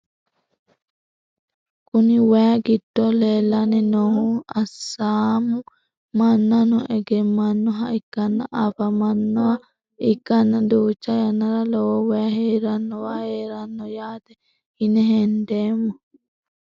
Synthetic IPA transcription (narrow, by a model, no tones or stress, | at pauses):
kʼʊnɪwɛɐɡɪd̪̥ːoleːlːɐnɛnɔhuɐsːaːmʊ | mɐnːɐnɔʔɛɡɛmːɐnːɔɦɐɪkːɐnːɐ̰ʔɐfɐmɐnːɔɐ | ɪkːɐnːɐd̪uːt͡ʃːɐjɐnːɐɾɐlɔwowɛɐheːɾɐnːɔwaːheːɾɐnːɔjaːt̪ɛ | hɪnɛɦɛnd̪eːmːɔ